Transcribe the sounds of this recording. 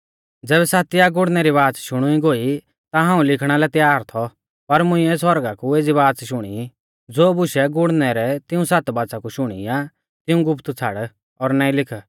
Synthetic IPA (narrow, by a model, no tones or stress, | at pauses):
d͡zɛːbɛsaːt̪ijaɡʊɽnɛɾiβaːt͡sʃʊɽ̃uiɡoːi | t̪aɦãːũlɪkʰɽ̃alɛt̪jaːɾt̪ʰɔ | pɐɾmʊ̃ĩɛsɔɾɡakueːd͡ziβaːt͡sʃʊɽ̃ḭ | d͡zoːbʊʃɛɡʊɽnɛɾɛt̪ɪũsat̪baːt͡sakuʃʊɽ̃ḭja | t̪ɪũɡʊpʰt̪t͡sʰa̰ɽ | ɔːɾnaːĩlɪkʰə